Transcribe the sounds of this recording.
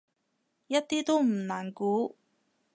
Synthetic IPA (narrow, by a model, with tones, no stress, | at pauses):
jɐ˥t̚t̪iː˥t̪o˥wm̩˨˩naː˨˩nkuː˨˥